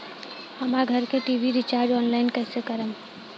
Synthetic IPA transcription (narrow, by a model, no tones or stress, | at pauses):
əmaɡʱəɾkeʈiʋiɾit͡ʃaːɾd͡ʒɔːnlaɪnkɛːsekəɾəm